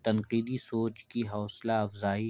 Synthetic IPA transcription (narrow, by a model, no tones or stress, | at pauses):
t̪ɐnqiːd̪isoːt͡ʃkiɦɔːslaɐfzaːi